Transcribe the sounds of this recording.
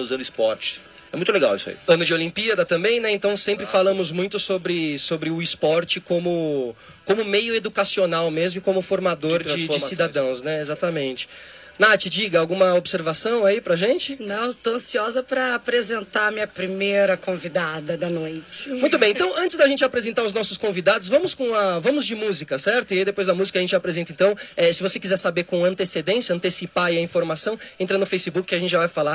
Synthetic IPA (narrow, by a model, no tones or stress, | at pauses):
ɐ̃uzɐ̃nd̪ʊɪspɔɾt͡ʃɪ̥ | ɛmũt̪leɡawḭsa̰ḭɐ̃nʊd͡ʒɪolĩpiɐd̪ɐt̪ɐ̃mbẽj̃nɛẽnt̪ɐ̃w̃sẽmpɾɪfalɐ̃mʊzmũj̃t̪ʊsobɾɪsobɾɪʊɪspɔɾt͡ʃɪkõmʊ | kõmʊmejʊed̪ukasionawmezmʊɪkõmʊfoɾmad̪oɾd͡ʒɪd͡ʒɪssid̪ad̪ɐ̃w̃snɛezat̪ɐmẽnt͡ʃɪ̥ | nat͡ʃɪd͡ʒiɡɐawɡũmɐobseɾvasɐ̃w̃aipɾɐʒẽnt͡ʃɪnɐ̃w̃t̪owɐ̃siɔzɐpɾɐːpɾezẽnt̪amĩɲɐpɾimejɾɐkõvid̪ad̪ɐd̪ɐnojt͡ʃɪmũj̃t̪ʊbẽj̃ẽnt̪ɐ̃w̃ɐ̃nt͡ʃɪzd̪ɐʒẽnt͡ʃɪapɾezẽnt̪aɾʊznɔsʊskõvid̪ad̪ʊzvɐ̃mʊskõɐvɐ̃mʊzd͡ʒɪmuzikɐsɛɾt̪ʊiaid̪epojzd̪ɐmuzikɐʒẽnt͡ʃɪapɾezẽnt̪ɐẽt̪ɐ̃w̃ɛsɪvosekizɛɾsabeɾkõɐ̃nt̪esed̪ẽsjɐ̃nt̪esipaiɐĩfoɾmasɐ̃w̃ẽnt̪ɾɐnʊfejsibukɪkɪɐʒẽntt͡ʃɪʒavajfala